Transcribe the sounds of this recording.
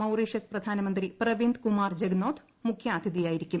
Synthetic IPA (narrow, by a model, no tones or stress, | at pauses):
ɐwriːʂjɐsprɐd̪ʱaːnɐmɐnd̪riprɐʋind̪kumaːrd͡ʑeɡnoːd̪ʰ | mukʰjaːd̪ʱiðijaːjiɾikʲːum